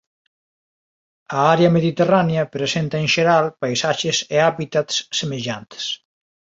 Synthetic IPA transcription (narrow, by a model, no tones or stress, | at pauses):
ɐaɾeɐmeðit̪eraneɐpɾesent̪ɐeŋʃeɾalpajsaʃeseaβit̪at̪ssemeʎant̪e̥s